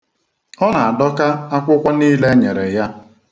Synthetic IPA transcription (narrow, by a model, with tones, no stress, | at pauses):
ɔ˦na˨a˨dɔ˦ka˦a˦kʷʊ˦kʷa˦niː˦le˦ɲe˨ɾe˨ja˦